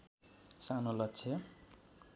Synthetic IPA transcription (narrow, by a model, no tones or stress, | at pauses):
sanolʌtt͡sʰe